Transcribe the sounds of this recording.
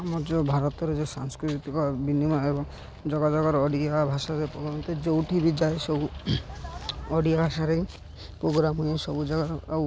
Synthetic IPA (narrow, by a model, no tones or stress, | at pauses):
amɔd͡ʒɔbʱaɾɔt̪ɔɾed͡ʒesaŋskɾit̪it̪ikɔbinimaebɔŋ | d͡ʒɔɡad͡ʒɔɡɔɾɔɔɖiabʱaʃaɾepɾoɡɾamɔt̪ed͡ʒowʈʰibid͡ʒaeso | ɔɽijabʱaʃaɾej | pɾoɡɾamɔjesɔbud͡ʒɔɡaɾɔ